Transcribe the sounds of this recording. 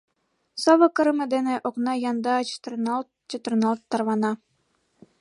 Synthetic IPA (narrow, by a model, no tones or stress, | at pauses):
soβɤ̆kɤ̆ɾɤ̆mĕd̪enĕʔoknɑjɑnd̪ɑt͡ɕt̪rnɑl | t͡ɕet̪ə̆rnɑlˠt̪ːɑrβɑnɑ